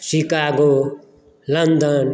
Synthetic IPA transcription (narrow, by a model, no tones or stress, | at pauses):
sikaɡo | lʌnd̪ʌn